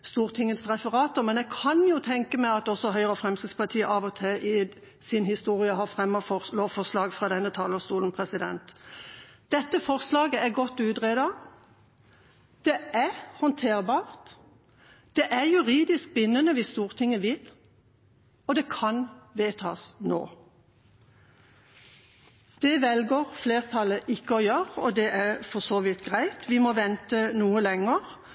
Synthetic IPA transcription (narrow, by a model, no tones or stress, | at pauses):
st̪uːʁt̪ʰɪŋːət̪sʁɛfəʁɑːt̪əmɛnɛɡ̚kʰɑnjʊt̪ʰɛŋkəmæɪɑt̪ɔsːɔɦœʏʁəɔfʁɛmsɪspɑʁt̪ʰiːəʔɑʋɔt̪ʰɪlʔɪ | sɪnhɪst̪uːʁɪəɦɑʁfɾɛmːɔfɔloːʋfɔʁslɑːɡfʁɑd̪ɛnːət̪ʰɑːləst̪uːln̩pʰʁɛsɪd̪ɛ̰nt̪ | d̪̥ɛt̪ːəfɔʁslɑːɡəæʁɡɔt̪ːʉːd̪ʁeːd̪ɑ | d̪̥ɛæʁhɔnt̪ʰeːʁbɑːʁt̪ | d̪̥ɛʔæʁjʉʁiːd̪ɪsk̚bɪnːənəʋɪst̪uːʁt̪ʰɪŋəʋɪl | ɔd̪ɛkʰɑnʋeːt̪ʰɑ̰ːsno̰ː | d̪̥ɛʋɛlɡəʁfleːʁt̪ʰɑləʔɪkːəɔjøːʁəɔd̪ɛʔæʁfɔsoːʋɪt̪ɡ̥ʁæɪt̪ʰʋɪmɔʋɛnt̪ənuːəlɛŋəʁ